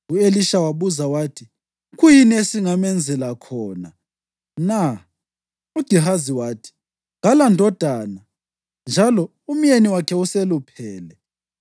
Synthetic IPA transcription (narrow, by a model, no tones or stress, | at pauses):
ueliʃawaβuzawaːtʰi | kujinesiŋamɛnd͡zʱɛlakʰɔːna̰ | na | ud̥ʱiɦaziwaːtʰi̥ | ŋalandʱɔd̥ʱaːna | nd͡ʒʱalɔ | um̩jeniwakʰɛuselupʰɛːlɛ